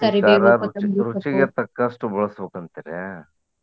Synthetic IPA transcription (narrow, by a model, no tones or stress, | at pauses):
kɐɾikaeɾɐɾuiɾut͡ʃiɡet̪ɐkːɐʂʈubɔɭɐsbɐkɐnt̪iɾe